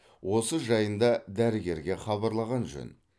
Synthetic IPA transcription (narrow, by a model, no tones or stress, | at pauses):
wo̞səʒɑjənd̪ɑd̪æɾəɡʲe̞ɾɡʲe̞χɑβɑɾlˠɑʁɑnʒɵ̰n